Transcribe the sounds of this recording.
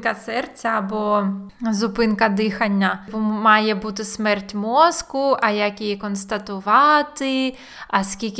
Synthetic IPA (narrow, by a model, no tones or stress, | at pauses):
kɐsɛrt͡sʲɐɐbɔzʊpɪnkɐd̪ɪxɐnʲːɐpɔmɑjɛbut̪ɪsmɛrtʲmɔskʊʔɐjakjijikɔnst̪ɐt̪ʊʋɑt̪ɪ | ɐskʲilʲk